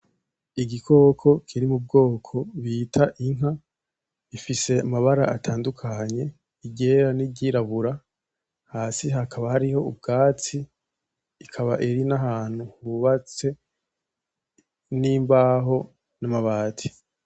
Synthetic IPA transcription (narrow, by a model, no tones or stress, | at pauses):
iɡikʰo̞ːkʰo̞kʰiɾimub̚ɡo̞ːkʰo̞βiːtʰaʔiŋ̥ɦa | ifise̞amaβaɾa̰ʔatʰaːndukʰaɲe̞ | iɟe̞ɾaniɟiɾaβuɾa | haːsiɦakʰaβahaɾiho̞ub̚ɡaːt͡siː | kʰaβaʔiɾinaɦaːn̥huhuβat͡se̞ | niːmbaːɦo̞ | namaβaːtʰi̥